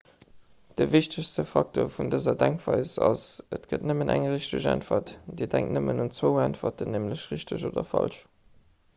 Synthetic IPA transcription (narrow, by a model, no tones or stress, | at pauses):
d̥əviɕtəɕstəfɑk̚tʰoːfundəzɐdæŋkv̥ɑɪzɑsətɡ̥ətnəmənʔæŋʁiɕtəɕæ̰ntfɐtd̥iːdæŋktnəmənunt͡swəʊæntfɐtənːeːmləɕʁiɕtəʑoːdɐfɑ̰lʃ